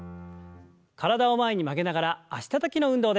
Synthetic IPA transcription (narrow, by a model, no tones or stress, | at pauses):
kaɾad̪aomae̞ɲ̟imake̞naɡaɾaːɕi̥t̪at̪akʲino̞ɯ̟̃nd̪o̞ːd̪e